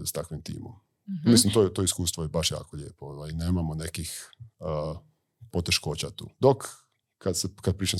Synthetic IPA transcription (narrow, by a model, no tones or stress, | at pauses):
st̪akʋimt̪ḭːmo̰m | mislimt̪oet̪oiskuːst̪ʋojebaʃja̰ːkoʎeːpoʋaneːmamone̞kix | po̞t̪eʃko̞ːt͡ɕat̪ṵːd̪ok | kad̪sekad̪̚pɾiːt͡ʃa